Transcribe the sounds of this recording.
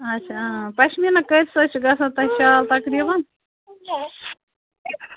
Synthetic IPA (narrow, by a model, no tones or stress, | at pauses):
ɐtʃʰapɐʃminɐkəɾʲsɐt͡ʃʰɡɐsɐt̪ɐʃaːlt̪ɐkɾibɐn